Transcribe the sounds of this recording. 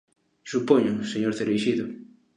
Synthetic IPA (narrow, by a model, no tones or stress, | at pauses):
supoɲʊseɲoɾθeɾejʃiðʊ